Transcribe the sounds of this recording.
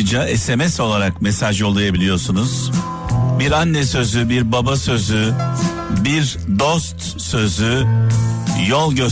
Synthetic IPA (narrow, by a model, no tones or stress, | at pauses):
ɯd͡ʒaʔɛsemɛso̞lˠaɾakmesaʒo̞lˠːajabilʲijo̞sunuz̥ | biɾanːɛsø̞zybiɾbabasø̞zy | biɾ | d̪ost̪ | sø̞zy | jolˠɟø